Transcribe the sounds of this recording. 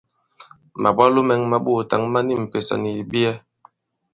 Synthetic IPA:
ma˨bwa˦lo˦mɛ˨ŋma˨ɓu˦˨ta˨ŋma˦ni˦˨m̩˨pe˨sa̰˨ni˨bi˦ɛ˦

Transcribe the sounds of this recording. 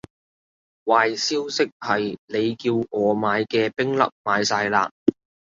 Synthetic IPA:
waː˨jsiː˥wsɪ˥k̚hɐ˨jne˨˧jkiː˧wʔɔː˨˧maː˨˧jkɛː˧pɪ˥ŋlɐ̰˨˥p̚maː˨˧jsaː˧jla̰ː˧

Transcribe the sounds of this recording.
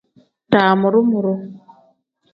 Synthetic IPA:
taː˨mʊ˨ɾʊ˦mʊ˨ɾʊ˦

